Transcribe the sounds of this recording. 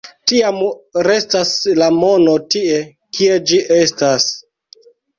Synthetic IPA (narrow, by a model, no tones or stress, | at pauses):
tiamɾe̞staslamo̞no̞tie̞ | kie̞d͡ʒiʔe̞stas